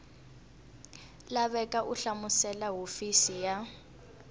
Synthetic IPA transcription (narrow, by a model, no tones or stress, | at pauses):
laβɛkaʔuɬamusɛlaɦofisija